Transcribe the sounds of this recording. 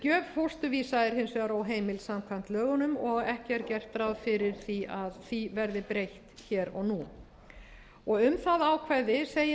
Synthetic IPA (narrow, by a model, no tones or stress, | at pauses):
cœːvhowst̪ʏvisaɛɾ̥hensɛaɾawɦeːjmɪlsamkʰvan̥t̪lœːɣʏnʏmɔɣɛhcɛɾcɛr̥t̪ːɾawðfɪɾɪɾ̥θiaðθivɛɾðɪpɾejht̪çɛːɾɔ̰ɣnu | ɔɣʏmθaðaːwkʰvajðɪseːj